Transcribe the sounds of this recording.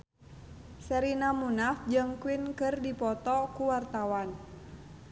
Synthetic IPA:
sɛɾinamunafd͡ʒɨŋkuwinkɨrdipɔt̪ɔkuwart̪awan

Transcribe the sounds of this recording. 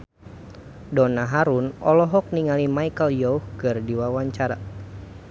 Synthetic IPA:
dɔnaɦaɾunɔ̰lɔɦɔk̚niŋalimajkəljɔuhkɨrdiwawaɲt͡ʃaɾa̰

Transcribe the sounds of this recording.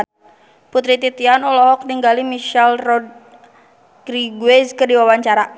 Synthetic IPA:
put̪ɾit̪it̪ianɔlɔɦɔk̚niŋɡalimiʃalrɔd̚ | kɾiɡwɛzkərdiwawaɲt͡ʃaɾa

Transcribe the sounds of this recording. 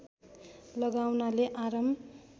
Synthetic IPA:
lʌɡawnaleʔaɾʌm

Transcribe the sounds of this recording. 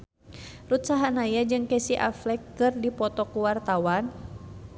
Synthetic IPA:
rut̪saɦanajad͡ʒɨŋkɛsiʔa̰flɛkːɨrdipɔt̪ɔkuwart̪awan

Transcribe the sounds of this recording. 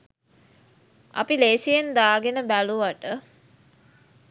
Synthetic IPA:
a̰pileːsijend̪aːɡenəbæluʋaʈə

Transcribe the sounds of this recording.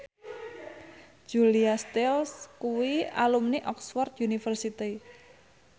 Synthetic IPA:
d͡ʒ̥uliast̪ɛlskuwia̰lumniʔɔksfɔrt̪̚junifərsit̪i

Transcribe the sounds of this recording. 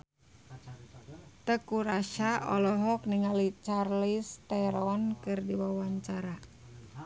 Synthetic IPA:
t̪əkuɾaʃaɔlɔɦɔk̚niŋalit͡ʃarlist̪ɛɾɔnkɨrdiwawaɲt͡ʃaɾa

